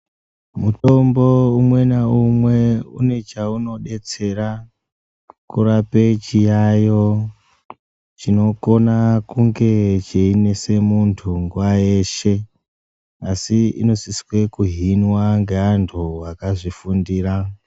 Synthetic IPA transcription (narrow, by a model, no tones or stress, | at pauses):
muto̞mbo̞umwe̞naumwe̞une̞t͡ʃauno̞ɗe̞t͡se̞ɾa | kurape̞t͡ʃijajo̞ | t͡ʃino̞ko̞nakuŋɡe̞t͡ʃeine̞se̞muntʰuŋɡuwajeːʃe̞ | asiḭno̞siskwekuɦinwaŋɡe̞antʰuwakaʐifundiːra